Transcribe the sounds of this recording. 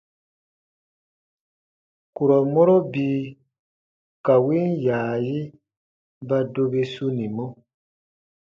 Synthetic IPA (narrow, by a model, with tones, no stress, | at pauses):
ku˨ɾɔ˨mɔ˦ɾɔ˦biː˦ | ka˨we˦n˦jaː˨ji˦ | ba˦do˧be˧su˦nĩ˨mɔ̃˦